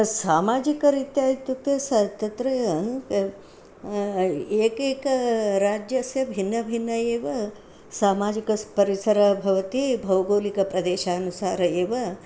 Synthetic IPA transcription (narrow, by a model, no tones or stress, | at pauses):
saːmaːd͡ʒikɐɾit̪jaːjit̪ut̪jɐsat̪ɐt̪ɾɐjɐ | eːkeːkɐɾaːd͡ʒjɐsjɐbʱinːɐbʱinːɐeːʋɐ | saːmaːd͡ʒikɐspɐɾisɐɾɐbʱɐʋɐt̪ibʱɐwɡoːlikɐpɾɐd̪eːʃaːɐnusaːɾɐeːʋɐ